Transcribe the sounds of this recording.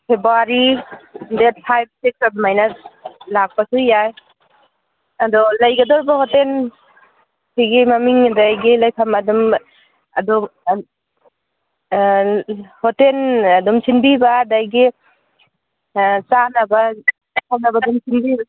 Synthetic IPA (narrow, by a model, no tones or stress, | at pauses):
pʰebɾuaɾindet̚pʰajb̚sik̚sabɔmajnalak̚pasujaj | adɔlajɡadɔɾbahɔten | sʰiɡemamiŋdajɡelajkʰamadɔm | adɔm | hɔtenadɔmsʰinbibadajɡe | t͡ʃanaba | ajkʰamnabadɔmsʰinbiba